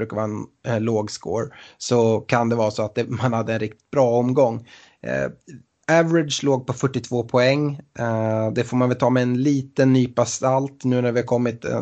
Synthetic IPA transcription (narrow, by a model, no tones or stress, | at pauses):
ɾʉ̟ːkavɑːɾaɛnloːɡsko̰ːɾsɔkʰand̪ɛvɑːɾsɔat̪̚d̪ɛmanhad̪ːəɛnɾɪk̚t̪ɪ̥t̪̚bɾɑːɔmɡɔŋ̰ː | ævɾɪd̪ʂloːɡ̚pɔfœʈːɪt̪ʰv̥oːpʰɔɛŋː | d̪ɛfoːɾmanvɛlt̪ʰɑːmɛːnliːt̪ənːyːpʰast̪alt̪nʉ̟ːnæɾvɪhaɾkʰɔmːɪt̪ɛ̰